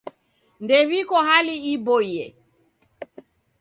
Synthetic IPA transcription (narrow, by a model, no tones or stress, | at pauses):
ndɛvikɔɦaliibɔiɛ